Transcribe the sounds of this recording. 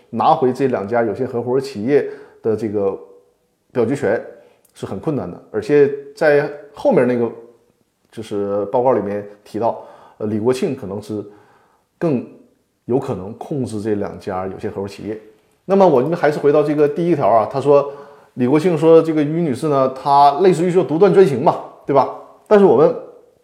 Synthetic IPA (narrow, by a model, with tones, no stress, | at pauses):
na˧˥xwe˧˥ɪʈ͡ʂɤ˥˩˧ljɑ˨˩ŋt͡ɕja˥jo˨˩ʊɕjɛ˥xɤ˧˥xwɔ˧˥ʂt͡ɕʰi˨˩jɛ˥˩d̪̥ə˩ʈ͡ʂɤ˥˩ɡə˩ | pjɑ˨˩ʊt͡ɕɥɛ˥t͡ɕʰɥɛ˧˥n | ʂɻ̩˥˩xə˨˩nkʰwə˥˩na̰˧˩nd̪ə̰˩ə˞˧˥t͡ɕʰjɛ˧˥t͡sa˥˧ɪxo˥˧ʊmjɛ˥˧na˥˩ɡə˩ | t͡ɕjo˥˧ʊʂɻ̩˥˧pɑ˥˧ʊkɑ˥˩ʊli˨˩mjɛ˥˩nt̪ʰi˧˥t̪ɑ˥˩ʊ˧ | li˨˩kwɔ˧˥t͡ɕʰi˥˩ŋkʰɤ˨˩nɤ˧˥ŋʂɻ̩˥˧ | kɤ˥˧ŋ | jo˧˥ʊkʰɤ˨˩nɤ˧˥ŋkʰʊ˥˧ŋʈ͡ʂɻ̩˥˧ʈ͡ʂɤ˥˩ljɑ̰˨˩ŋt͡ɕja˥jo˨˩ʊɕjɛ˥xɤ˧˥u˧˥t͡ɕʰḭ˨˩jɛ˥˩ | na˥˩mə˩wɔ˨˩˥xa˧˥ʂɻ̩˥˩we˧˥ɪɑ˥˧ʊʈ͡ʂɤ˥˩ɡə˩t̪i˥˩i˥t̪ʰjɑ˧˥ʊɐ˧t̪ʰa˥ʂwɔ˥ | li˨˩kwɔ˧˥t͡ɕʰi˥˩ŋʂ̬wɔ˥ʈ͡ʂɤ˥˩ɡə˩y˧˥ny˨˩ʂ̩˥˩nə˩t̪ʰa˥le˥˧ɪʂ̬̩˥˧y˥˧˥t̪u˧˥t̪wa˥˩nʈ͡ʂwa˥nɕi˧˥ŋmɐ˨˧t̪we˥˩bɐ˩ | t̪a˥˧nʂ̬ɻ̩˥˩wɔ˨˩mə˦n